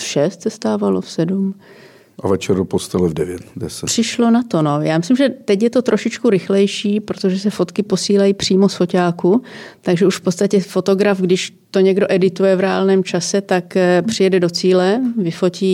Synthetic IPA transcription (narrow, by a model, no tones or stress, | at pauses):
ʃɛst̪sɛst̪aːvalosɛdum | ʔavɛt͡ʃɛɾopost̪alɛvdɛvjɛt̪dɛsɛpr̥ɪʃlo̞nat̪o̞nojaːmɪslɪmʒɛt̪ɛcjɛt̪o̞t̪ɾʔoʃɪt͡ʃkuɾɪxlɛjʃiːpɾot̪oʒɛsɛfo̞t̪kɪposiːlajiːpr̝̥iːmo̞sfo̞caːkut̪aɡʒɛuʃfpott͡sst̪acɛfo̞t̪o̞ɡɾafɡdɪʃ | t̪o̞ɲɛɡdo̞ʔɛdɪt̪ujɛvɾɛa̰ːlnɛːmt͡ʃasɛt̪akpr̥ɪjɛdɛdo̞t͡siːlɛvɪfo̞ciː